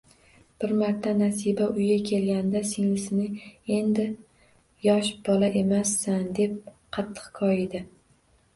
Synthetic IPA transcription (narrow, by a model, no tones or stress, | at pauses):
b̥ɪɾmaɾt̪ʰːanasibaʊjɡʲakʲʰe̞lɡʲand̪aseŋlɪsɪnɪe̞nd̪ɪ | jɒʃb̥ɒlaʔe̞masːand̪e̞p̚ | qʰɑt̪ʰːɨ̥qkʰɒjɪd̪ɪ